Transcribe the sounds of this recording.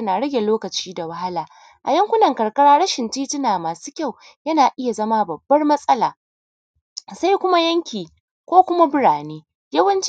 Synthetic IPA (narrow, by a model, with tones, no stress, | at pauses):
ɐ˦naː˨ɽɐ˦ɡʲe˨loː˦kɐ˨t͡ʃiː˦da˨wɐ˦ha˦laː˨ | ʔa̰˨jɐ˦ŋkʷʊ˦nɐ˨ŋkɐ˨ɽkɐ˦ɽaː˦ɽɐ˦ʃɪ˨ntiː˦tɪ˦naː˨maː˨su̥ː˦kʲa˦˨w | jɐ˦naː˨ʔɪ˦ja˨zɐ˦ma˦bɐ˨bːɐ˦rmɐ˦sʼɐ˦laː˨ | sa˦jkʷʊ˦ma˦jɐ˦ŋkʲiː˨ | kʷoː˦kʷʊ˦ma˦bɪ˦ɽaː˨neː˦ | jɐ˦wɐ˦nt͡ʃ